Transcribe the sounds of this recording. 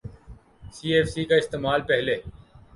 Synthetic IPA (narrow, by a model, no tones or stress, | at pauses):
siːeːfsiːkaːɪst̪eːmaːlpɛɦleː